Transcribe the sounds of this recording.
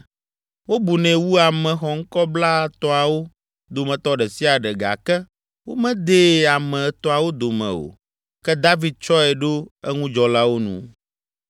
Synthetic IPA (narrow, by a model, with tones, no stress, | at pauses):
wo˦bu˨nɛ̃˨wu˦a˨mɛ̃˨xɔ˨ŋ̩˦kɔ˦bla˦t̪ɔ˦a˨wo˦ | d̪o˨mɛ̃˨t̪ɔ˦ɖɛ˨si˦a˨ɖɛ˨ɡa̰˨kɛ˦ | wo˦mɛ̃˦d̪e˨a˨mɛ̃˨t̪ɔ˦a˨wo˦d̪o˨mɛ̰̃˨o̰˨ | kɛ˦d̪a˦vi˦d̪̚t͡ʃɔ˦ɛ˨ɖo˦ɛ˦ŋũ˦d͡ʒɔ˨la˦wo˦nṵ̃˨